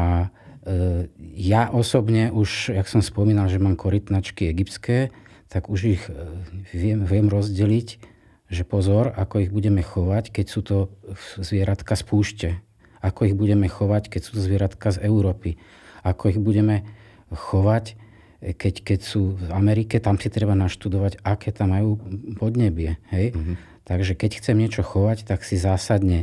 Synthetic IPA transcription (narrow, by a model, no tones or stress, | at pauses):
a | jaʔɔsɔbɲɛʔuʃaksɔmspɔmiːnalʒɛmaːmkɔɾit̪nat͡ʃkiɛɡipt̪skɛːt̪aɡuʒix | ʋɪɛmʋɪɛmɾɔzɟɛlic | ʒɛpɔzɔɾakɔiɣbuɟɛmɛxɔʋackɛcsuːt̪ɔzʋɪɛɾat̪kaspuːʃcɛ | akɔiɣbuɟɛmɛxɔʋackɛcsu̥ːt̪ɔzʋɪɛɾat̪kazɛʊɾɔːpi | akɔiɣbuɟɛmɛ | xɔʋac | kɛckɛcsuːamɛɾikɛt̪amsit̪ɾɛbanaʃt̪ud̪ɔʋaɟakɛːt̪amːajuːpɔd̪ɲɛbɪɛɦɛj | t̪aɡʒɛkɛcxt͡sɛmɲɪɛt͡ʃɔxɔʋact̪aksizaːsad̪ɲɛ